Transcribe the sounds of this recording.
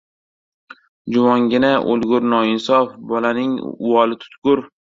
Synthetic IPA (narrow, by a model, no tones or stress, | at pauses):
d͡ʒʊmɒŋɡʲɪnaʔo̰lˠɡʊɾnɒɪnsɒfbɒlanɪŋ̰ʊwɒlɪt̪ʰʊ̥t̪ɡʊɾ